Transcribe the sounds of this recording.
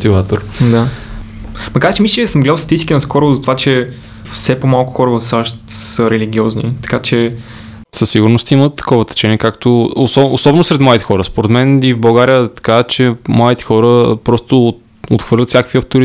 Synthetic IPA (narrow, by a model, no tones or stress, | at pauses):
ot̪ivat̪oɾd̪a | mɐkaɾt͡ʃɛmisləsəmɡlɛd̪əfst̪t̪ist̪ikinəskɔɾʊvʊzɐt̪ovat͡ʃɛ | fsɛpomalˠkʊ̥xɔɾəvəfsaʃt̪səɾɛliɡʲiɔznḭt̪ɐ̥kat͡ʃɛ | səsːiɡuɾnost̪imət̪ːɐ̥kɔvət̪ɛ̥t͡ʃɛniɛkakt̪oosɔosɔbɛnʊsɾɛt̪mɔit̪ɛ̥xɔɾəspoɾɛt̪mɛnivbɐlˠɡaɾijət̪ɐ̥kat͡ʃɛmait̪ɛ̥xɔɾəpɾɔst̪ʊ | ot̪xv̥ɤɾlʲət̪sʲjakəkviɐft̪oɾi